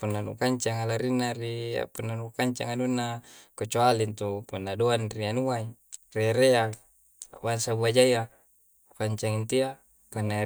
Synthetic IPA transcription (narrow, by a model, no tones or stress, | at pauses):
punːanṵkaɲt͡ʃaŋalaɾinːaɾia̰punːanukaɲt͡ʃa̰ŋadunːakot͡ʃoalint̪upunːadoanrianuaireɾea | bansabuad͡ʒaja | kaɲt͡ʃaŋint̪ia | punːa